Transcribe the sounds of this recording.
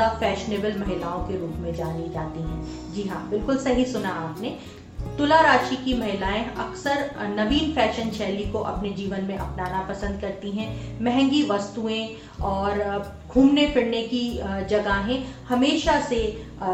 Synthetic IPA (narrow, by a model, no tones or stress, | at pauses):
afɛːʃneːbəlmɐɦɪlaːõkeɾuːpmẽd͡ʒaːnid͡ʒaːt̪iɦɛ̃ː | d͡ʒiɦãbɪlkʊlsɐɦisʊnaaːpne | t̪ʊlaɾaːʃikimɐɦɪlaːẽɐksəɾnɐʋiːnfɛːʃənʃʰɛːlikoʔɐ̰pned͡ʒiːʋənmẽʔɐpnaːnapɐsə̃nd̪̚kɐɾt̪iɦɛ̃mɛɦɛ̃ŋɡiʋɐst̪uẽ | ɔːɾ | ɡʱuːmnefɪɽnekid͡ʒɐɡaɦẽhɐmeːʃase